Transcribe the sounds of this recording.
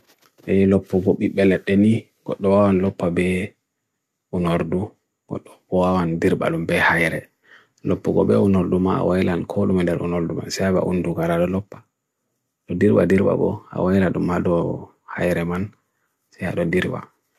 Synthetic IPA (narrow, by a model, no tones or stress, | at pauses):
ʔɛlɔpːuɡɔɓiɓːɛlɛɗːeni | ɡ̥ɔɗːɔwawanlɔpːabɛ | unoɾdu | ɡ̥ɔɗːɔbɔwawandiɾɓa̰lumbɛhajɾɛ | lɔpːɔɡɔbɛunoɾdumaa̰wajlankʰɔɗumɛndɛɾʔṵnoɾduma̰nsɛjaba̰ʔunduɡaɾaɗɔlɔpːḁ | ɗɔdiɾba̰diɾɓa̰ɡɔ̰a̰wajlaɗumhaɗɔ | hajɾɛman | sɛjha̰ɗɔdiɾba̰